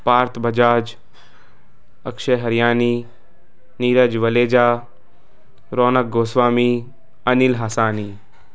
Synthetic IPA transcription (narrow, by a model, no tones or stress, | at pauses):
paːɾt̪ʰbʱɐd͡ʒaːd͡ʒ | ɐkʃeɦɐɾjaːniː | niːɾəd͡ʒʋɐleːd͡ʒaː | ɾoːnək̚ɡoːsʋaːmi | ɐnilɦaːsaːniː